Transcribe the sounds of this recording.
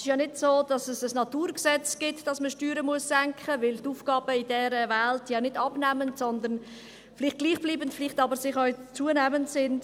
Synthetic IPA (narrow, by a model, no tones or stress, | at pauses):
sɪʃjɑnɪdsoːd̥ɑsɛsəsnɑtuːɾksɛt͡sɡ̥ɪtd̥ɑsməʃtyːɾəmuəsːæŋkχəvɪltuːfɡ̥ɑːb̥əɪdɛːɾəvɛltjɑnɪdɑbnæməntsɔnd̪ən | flɪːχt̚ɡ̥liːχb̥liːbəntflɪχtɑbəsɪχɔʏt͡suənɛməntsɪnd